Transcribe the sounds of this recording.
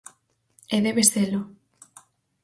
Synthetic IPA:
eðeβesθelo

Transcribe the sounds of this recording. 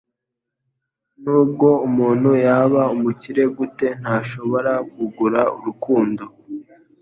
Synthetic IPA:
nuːb̚ɡo̞umuːn̥hujaβaumuciɾe̞ɡute̞n̥haːʃo̞βo̞ɾakuɡuɾaṵɾukuːndo̞

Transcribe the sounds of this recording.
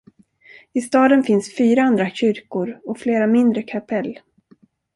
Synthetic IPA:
ɪst̪ɑːd̪ənfɪnsfyːɾaand̪ɾaɕʏɾkʊɾɔfleːɾamɪnd̪ɾəkʰapʰɛlː

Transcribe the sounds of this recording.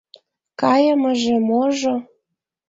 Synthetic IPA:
kɑjə̆məʒĕmoʒŏ

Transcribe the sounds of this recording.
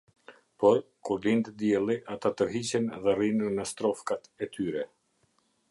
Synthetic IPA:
pɔɾ | kulint̪əd̪jɛlˠiʔat̪at̪əɾɦit͡ɕɛnðɛrinunəst̪ɾɔfkat̪ɛt̪ʰyɾɛ

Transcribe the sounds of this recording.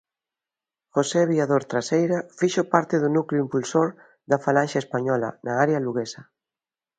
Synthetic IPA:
foseβiaðoɾt̪ɾasejɾafiʃopaɾt̪ɪðunukliuimpulsoɾ | ðafalanʃaespaɲɔlɐ̰naaɾealuɣesɐ

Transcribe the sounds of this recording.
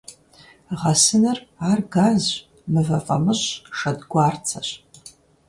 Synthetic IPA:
ʁɐsɨnɨraːrɡaːz | mɨvɐqʼɐ̰mɨɕʂɐdɡʷaːrt͡sʰɐɕ

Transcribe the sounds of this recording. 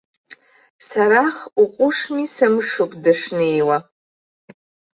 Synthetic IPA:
saɾaχuqʷʼʊʂmisamʂokʷʼdaʂnɨjwa

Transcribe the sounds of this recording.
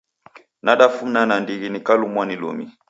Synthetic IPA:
naɗafum̩nanandiɣinikalumwanilṵmi

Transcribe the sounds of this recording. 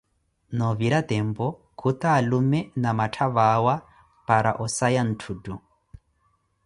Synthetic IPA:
nɔβiɾat̪ɛmbɔ | kʰut̪aːlumɛnamatʰaβawa | paɾaʔɔsajan̩tʰudu

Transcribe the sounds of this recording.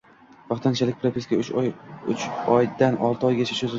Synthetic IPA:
bɑχt̪ʰant͡ʃʰalɪk̚ʲpʰɾapʰiskʲaʊjʊt͡ʃɒjd̪anʔɒlˠt̪ɪɒjɡʲat͡ʃʰaʃɵz

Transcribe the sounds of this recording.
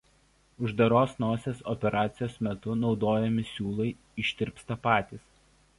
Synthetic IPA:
ʊʒd̪ɐɾoːsnoːsʲeːsɔpʲɛɾʔɑːt̪sʲɪjoːsmʲɛt̪ʊnɒʊd̪oːjɛmʲɪsʲuːlˠɐɪ | ɪʃʲt̪ʲɪɾʲpst̪ɐpɑːt̪ʲiːs

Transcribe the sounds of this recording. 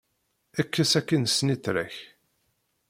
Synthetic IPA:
ækːæsækːinsniθɾæ̰ç

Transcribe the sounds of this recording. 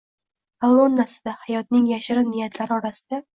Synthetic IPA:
kʰalˠːo̞nːasɪd̪ahajɒt̪nɪŋjaʃɪɾɪnɪjat̪ʰlaɾɪɒɾasɪ̥d̪̥a

